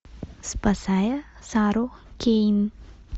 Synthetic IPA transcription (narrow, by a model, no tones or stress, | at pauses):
spəsaːjəsaːɾoken